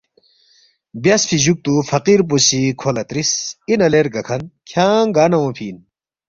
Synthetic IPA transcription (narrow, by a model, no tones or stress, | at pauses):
bjɐsfʰiʑuk̚t̪ufɐqiɾp̬usikʰolɐt̪ɾisinɐleɾɡɐkʰɐnkʰjaːŋɡaːnɐõpʰiːn